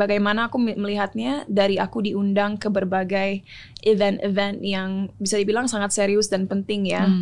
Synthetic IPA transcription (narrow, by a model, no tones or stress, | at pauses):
baɡajmanaːkuməliɦat̪̚ɲadaɾiakudiundaŋkəbərbaɡaj | ʔivɛnt̪ḭvɛnjaŋbisadibilaŋsaŋat̪̚seɾiʊsdanpənt̪ɪŋja